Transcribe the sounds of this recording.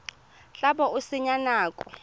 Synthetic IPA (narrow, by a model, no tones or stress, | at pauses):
ɬaɓɔusɪɲanaːkʼɔ̥